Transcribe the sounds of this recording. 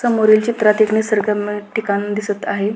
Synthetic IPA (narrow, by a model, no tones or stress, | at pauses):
səmoɾilt͡ɕit̪ɾat̪eknesəɾɡameʈikand̪isət̪aɦe